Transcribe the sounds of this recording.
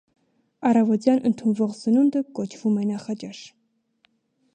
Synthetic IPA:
ɑrɑvɔt̪jɑnʔə̰nt̪ʰunvɔʁzənund̪əkɔt͡ʃʰv̥umɛnɑχɑt͡ʃɑʃ

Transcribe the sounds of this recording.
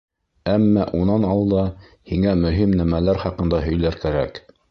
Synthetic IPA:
æmːæʔunɑnɑlˠd̪ɑ | hiŋæmɵ̆ɦimnæmælæɾχɑqɤ̆nd̪ɑɦɵ̆jlæɾkæɾæ̰k

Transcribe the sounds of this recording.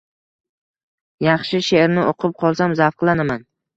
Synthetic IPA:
jɑχʃɪʃeɾnɪʔoqʰɨp̚qʰɒlˠsamzafqlˠanaman

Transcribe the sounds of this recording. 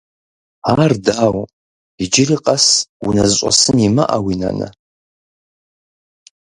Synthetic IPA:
ardaːw | id͡ʒɪriqʼasunazɕʷʼa̰sɨnima̰ʔawina̰nɨ̰

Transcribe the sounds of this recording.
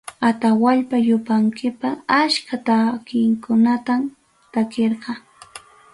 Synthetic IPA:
at̪awaʎpajʊpaŋkʰɪpaaskat̪akɪŋkʊnat̪am | t̪akeɾqɑ

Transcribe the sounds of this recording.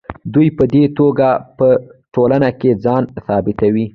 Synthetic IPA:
d̪ujpəd̪et̪oɡapəʈolanaked͡zɑnsɑbɪt̪awi

